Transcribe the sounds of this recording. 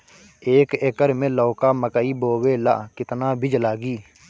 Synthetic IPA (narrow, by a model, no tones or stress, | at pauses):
eːkeːkəɾmẽːlɔːkaːməkəiːboːweːla̰ːʔkɪt̪naːbʱɪd͡ʒlaːɡiː